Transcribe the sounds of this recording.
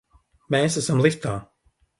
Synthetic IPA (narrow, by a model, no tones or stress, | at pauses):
meːsæsamlˠist̪aː